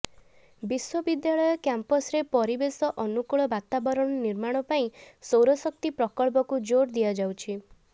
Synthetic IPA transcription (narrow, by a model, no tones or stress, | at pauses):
biswɔbid̪jaɭɔjɔkjampɔsɾepɔɾibesɔʔɔnukuɭɔbat̪abɔɾɔɽ̃ɔniɾmaɽ̃ɔpaĩsowɾɔsɔk̚t̪ipɾɔkɔɭp̬ɔkud͡ʒoɾd̪iad͡ʒawt͡ʃʰi